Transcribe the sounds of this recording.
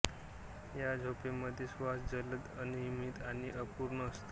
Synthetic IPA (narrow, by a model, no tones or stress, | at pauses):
jad͡zʱopeməd̪ʱesʋasd͡zələd̪ənimiːt̪aɽ̃iʔəpuːɾɳəəst̪o